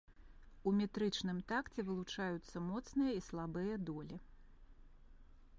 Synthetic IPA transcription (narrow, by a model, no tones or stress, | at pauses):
umʲɛt̪ɾɨt͡ʂnɨmt̪akt͡sʲɛvɨlˠut͡ʂajut̪sːɐmɔt̪snɨjɐislˠabɨjɐd̪ɔlʲi